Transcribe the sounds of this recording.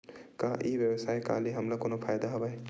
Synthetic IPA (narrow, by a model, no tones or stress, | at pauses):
kaʔibjəwsaːjka̰ːliɦɐmlakonopʰaːjd̪aɦɐbaj